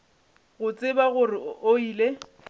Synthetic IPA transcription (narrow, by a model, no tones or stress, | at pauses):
ɣʊt͡sʼɪbaɣʊrɪoiːle